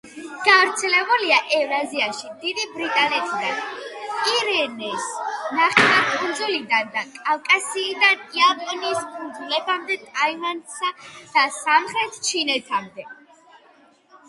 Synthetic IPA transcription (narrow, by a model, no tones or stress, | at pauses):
ɡ̥avɾt̪sʰɛlɛbuliaʔɛvɾaziaʃid̪id̪ibɾit̪ʼanɛt̪ʰid̪aniɾɛnɛsnaχɛakʰund̪zulid̪and̪akʼafkʼasiːd̪aniapʼɔnispʰuɾd̪zulɛbamd̪ɛt̪ʼaivansad̪̥asamχɾɛt̪ʰt͡ʃʰinɛt̪ʰamd̪ɛ